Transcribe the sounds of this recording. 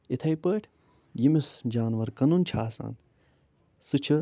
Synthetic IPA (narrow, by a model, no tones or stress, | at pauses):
it̪ʰɐjpəːʈʰ | jimisd͡ʒaːnʋɐɾkɐnunt͡ʃʰaːsa̰ːn | sɨt͡ʃʰɨ